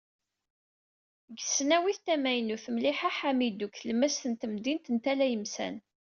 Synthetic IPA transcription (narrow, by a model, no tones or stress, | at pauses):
ɡəsːnæwiθt̪æmæjnuθəmliħaħamid̪uklmæst̪ənt̪əmd̪int̪ənt̪ælæjəmsæ̰n